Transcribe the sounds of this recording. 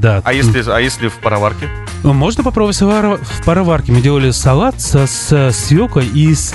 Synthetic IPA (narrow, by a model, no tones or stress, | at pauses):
d̪aɐjesʲlʲɪajesʲlʲɪfpəɾɐvarkʲɪ | mo̞ʐnəpɐpɾobəbvətʲsʲvɾfpəɾɐvarkʲɪmɨdʲelˠəlʲɪsɐlˠat̪səsəsjʲokəis